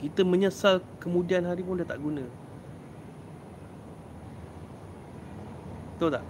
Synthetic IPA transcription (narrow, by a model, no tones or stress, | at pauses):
kit̪əmə̃ɲəsalkəmũdianɦaɾipʊndat̪aʔɡunə̃ | t̪ot̪aʔ